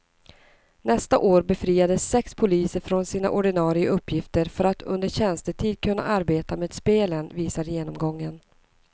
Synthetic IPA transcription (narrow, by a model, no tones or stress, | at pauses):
nɛst̪aʔoːɾbɛfɾiːad̪əsːɛkspʰʊliːsəɾfɾɔnsiːna̰ʔɔɖɪnɑːɾɪaʔɵpːjɪft̪əɾfœɾat̪ʰɵ̰nd̪əɾɕɛnst̪əʈʰiːd̪̚kʰɵnːa̰ʔaɾbeːt̪ameːd̪speːlənviːsaɾjeːnɔmɡɔŋːən